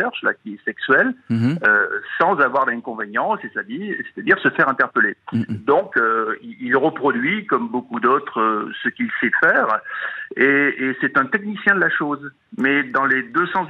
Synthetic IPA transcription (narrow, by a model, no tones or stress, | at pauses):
ɛʁʃla̰kʲiɛsɛksɥɛløsɑ̃zavwaʁd̪ɛ̃kɔ̃venjɑ̃sesad̪ise̥t̪ad̪iʁsəfɛʁɛ̃t̪ɛʁpəled̪ɔ̃køiilʁəpχɔd̪ɥikɔmbokud̪ot̪χəsəkilsɛd̪fɛːʁ | eːsɛt̪ɛ̃t̪ɛknisjɛ̃d̪əlaʃoz | mɛd̪ɑ̃led̪øsɑ̃z